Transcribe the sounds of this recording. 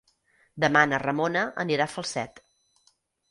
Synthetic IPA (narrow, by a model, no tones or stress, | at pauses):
d̪əmanərəmonəʔə̰niɾafəlˠsɛt̪